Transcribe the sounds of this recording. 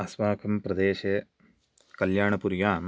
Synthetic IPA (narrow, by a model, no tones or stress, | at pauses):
ɐsʋaːkʰɐmpɾɐd̪eːɕɐ | kɐljaːɳɐpuɾjaːn